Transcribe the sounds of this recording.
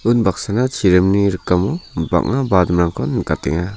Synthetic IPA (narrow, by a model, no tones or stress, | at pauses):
unbak̚sanat͡ʃʰiɾemniɾɯkamɔba̰k̚nabadmɾaŋkʰɔnkatɛ̰ŋa